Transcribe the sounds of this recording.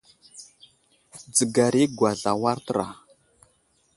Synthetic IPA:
d͡zə˨ɡa˨ɾi˦ɡwa˨ɮa˨wa˦ɾtə˦ɾa̰˨

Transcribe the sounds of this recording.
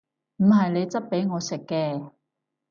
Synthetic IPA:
m̩˨˩ɦɐ˨jne˨˧jt͡sɐ˥t̚pe˨˥jŋɔː˨˧sɪ˨kːɛː˧

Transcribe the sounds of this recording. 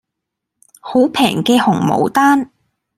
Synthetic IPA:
ho˨˥wpʰɛː˨˩ŋkɛː˧hʊ˨˩ŋmo̰˨˩wt̪aː˥n

